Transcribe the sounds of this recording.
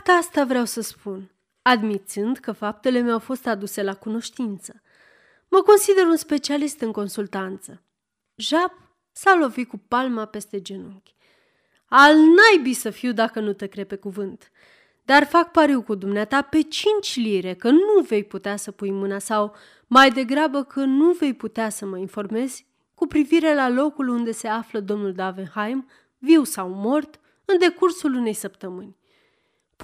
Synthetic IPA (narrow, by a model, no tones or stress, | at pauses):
t̪ast̪avɾeawsəspun | ad̪mit̪sɨnd̪kəfap̚t̪e̞le̞meawfo̞st̪ad̪use̞lakuno̞ʃt̪int̪sə | məko̞nsid̪e̞ɾunspe̞t͡ʃialist̪ɨŋko̞nsult̪ant̪sə | ʒab̚ | salo̞vikupalmape̞st̪e̞d͡ʒenuŋkʲ | alnajbisəfiwd̪akənut̪ekɾe̞pe̞kuvɨnt̪ | d̪arfak̚paɾiwkud̪umneat̪ape̞t͡ʃint͡ʃʲliɾe̞kənuve̞jput̪easəpujmɨnasaw | majd̪e̞ɡɾabəkʰənuve̞jput̪easəməinfo̞rme̞z̥ʲ | kupɾiviɾe̞lalo̞kulund̪e̞se̞afləd̪o̞mnuld̪avenhajm | viwsawmo̞rt̪ | ɨnd̪e̞kursulune̞jsəpt̪əmɨnʲ